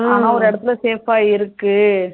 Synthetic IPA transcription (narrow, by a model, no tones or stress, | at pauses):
aːnaːɔɾɯɛɽɐt̪ːɪlɐseːfaːɪɾɯkːɯ